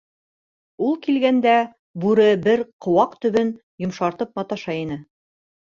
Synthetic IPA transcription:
ulˠkilɡænd̪æ | bʉɾɘbɘɾqŏwɑqt̪ɵ̆βɵn | jŏmʃɑɾt̪ɤp̚mɑt̪ɑʃɑjinɘ

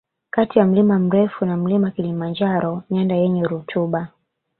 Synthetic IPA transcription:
katijam̩limam̩ɾɛfunam̩limakilimand͡ʒaɾɔɲandajɛɲɛɾutʰuɓa

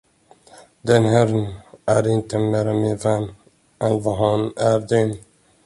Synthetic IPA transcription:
d̪ɛnɦæɾənæɾɪnt̪əmeːɾamɪnvɛnː | ɛnvɑɦɑnæɾd̪ɛn

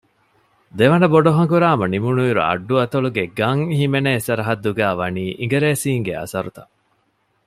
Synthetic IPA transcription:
d̪eʋɐnɐboɖoɦɐŋkuɾaːmɐnimunuiɾṵɐ̰ɖːuɐt̪ɐɭuɡeɡɐŋhimeneːsɐɾɐɦɐd̪ːuɡæːʋɐniːʔiŋɡeɾeːsiːŋɡeɐ̰sɐɾut̪ɐ̰

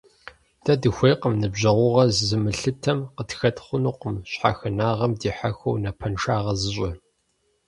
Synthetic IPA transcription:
d̥ɐdɨxʷejqəmnɨbʑɐʁʷʊʁɐzzɨmɨɬɨtʰɐmqətxɐtχʷʊnuːqəmɕħa̰xɨnaːʁɐmdiːħaxɐwnɐpʰɐnʂaːʁɐzɨɕʼɪ

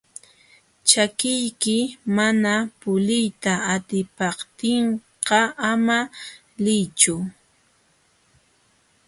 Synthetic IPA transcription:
t͡ʃakɪjkɪmanapʊlɪjt̪aːt̪ɪpɑχt̪ɪɴ | ɢɑʔama | lɪjt͡ʃʊ

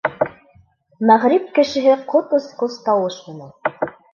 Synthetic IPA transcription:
mæʁɾip̚kɘ̆ʃɘ̆ɦɘqot̪ŏsqost̪ɑwɤʃmɤ̆næn

